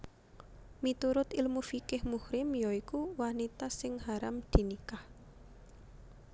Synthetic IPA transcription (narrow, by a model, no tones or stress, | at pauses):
mit̪uɾʊt̪ɪlmufikɪhmuhɾɪmjɔikuwanit̪asɪŋhaɾamd̪̥i̤nikah